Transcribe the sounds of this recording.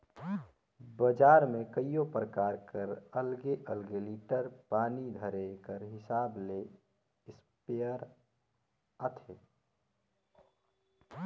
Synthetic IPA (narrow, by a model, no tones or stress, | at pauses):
bəd͡ʒaːɾmẽkəijopɾəkaːɾkəɾəlɡeʔəlɡeliːʈəɾpaːnid̪ʱəɾekəɾɦɪsaːble | ɪspeəɾ | ət̪ʰeː